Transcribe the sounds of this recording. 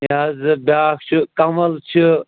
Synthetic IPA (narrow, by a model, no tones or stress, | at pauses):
aːzɨbʲaːkt͡ʃʰɨkɐmɐlt͡ʃʰi